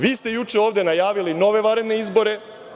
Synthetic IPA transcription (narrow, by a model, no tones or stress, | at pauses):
ʋiːst̪e̞jut͡ʃeo̞ːʋd̪enajaːʋilino̞ʋe̞ʋaɾe̞d̪ne̞izbo̞ɾe̞